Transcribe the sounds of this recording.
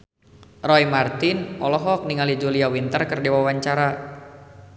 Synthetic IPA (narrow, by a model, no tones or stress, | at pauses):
rɔimart̪ɪnʔɔlɔɦɔk̚niŋalid͡ʒuliawint̪ərkɨrdiwawaɲt͡ʃaɾa